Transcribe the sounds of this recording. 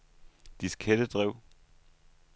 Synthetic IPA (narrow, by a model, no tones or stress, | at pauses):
d̥iskʰed̥əd̥ʁɛʊ̰